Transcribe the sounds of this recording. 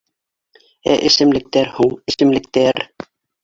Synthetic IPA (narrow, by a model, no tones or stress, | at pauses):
ɛ̰ʔɪsɪmlɪk̚t̪ɛɾhuŋɪsɪmlɪk̚t̪eɾ